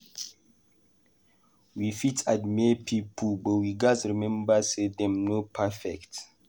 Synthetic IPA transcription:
wifitadmɛpʰipʰubɔwiɡasɹimɛ̃mbasedɛ̃mnopʰafɛkt

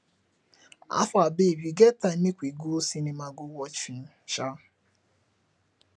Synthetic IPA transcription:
a̰fabeɾiɡetaikʷiɡusinimaɡowɔt͡ʃin̩ | t͡ʃa

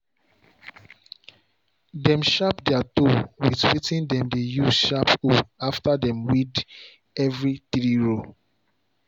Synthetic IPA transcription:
dɛ̃mʃapdɛatowitwitĩndɛ̃mdejusʃapoaftadɛ̃mwid | ɛvɹitɹiɹo

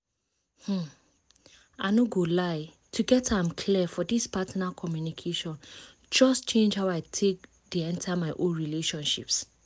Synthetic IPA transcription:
h̩ | ʔa̰noɡolaɪ | tʰuɡɛtʰãmkʰlifɔdispʰatnakʰɔmjunikʰeʃɔ̃n | d͡ʒɔst͡ʃʰẽnd͡ʒhaʊaɪtʰek̚ | diɛ̃ntʰamaɪʔõnɹileʃɔ̃nʃḭps

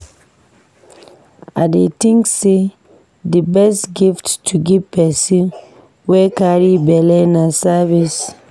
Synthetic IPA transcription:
adetĩŋkse | dibɛstɡifttʰuɡivpɛsĩn | wɛkaɹibɛlɛnasavis

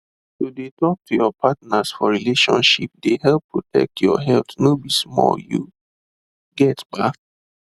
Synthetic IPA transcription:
sodetɔk̚tʰujɔpʰatnasfɔɹileʃɔ̰̃nʃḭp̚deɦɛlpːɹotʰɛ̰k̚tjɔ̰ɦɛltnobismɔ̰ljṵ | ɡɛtbak̚

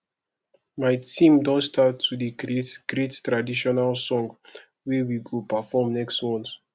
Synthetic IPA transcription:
maɪtĩmdɔ̃nstatʰːudikɾietɡ̥ɹettɹadiʃɔnalsɔ̃ŋɡ | wɛwiɡopafɔmnɛkstmɔ̃nt

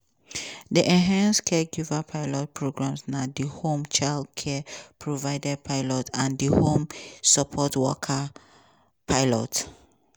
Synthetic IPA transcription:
diʔɛ̃nɦãnskʰɛɡuvapʰaɪlɔt̚pʰɹoɡɹãmsnadihõmt͡ʃaldkʰɛpʰɹovaɪdɛpʰaɪlɔtãndihõmsɔpʰɔtwɔkʰa | pʰaɪlɔ̰t

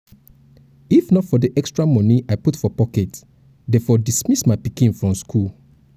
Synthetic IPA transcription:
ifnɔtfɔdiʔɛkstɹamɔ̃niʔaɪputfɔpɔkɛt | dɛfɔdismismaɪpikĩnfɹɔ̃mskʰul

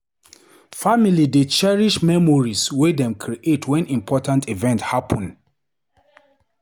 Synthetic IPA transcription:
familidet͡ʃɛɹiʃmɛmɔɹiswedɛ̃mkʰɹiʔetʰwɛ̃nʔĩmpʰɔtãntʰivɛ̃nthapʰɔ̃n

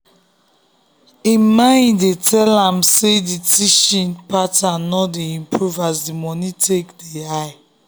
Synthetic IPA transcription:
ĩmãɪ̃ndetʰɛlãmseditʰiʃĩnpatanɔdeĩmpʰɹuvasdimɔnitʰekdeaɪ

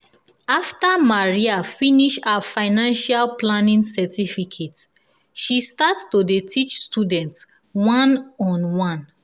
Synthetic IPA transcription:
aftamaɹiafiniʃafaɪnãnʃalplanĩnsɛtʰifikʰet | ʃistatstodetʰit͡ʃstudɛ̃nt | wãnɔ̃nwãn

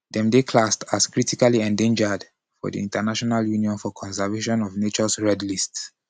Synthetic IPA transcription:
dɛ̃mdekʰlastaskɹitikaliɛ̃ndẽnd͡ʒəd | fɔ̰dḭĩntanaʃɔnaljuniɔ̃nfɔkʰɔ̃ns̬ɛveʃɔ̃nɔvnet͡ʃɔsɹɛdlists

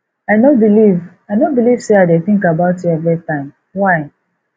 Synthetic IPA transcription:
aɪnobiliv | aɪnobiliv̥seaɪdeθĩŋkabaʊtjuɛvɹitãɪ̃m | waɪ

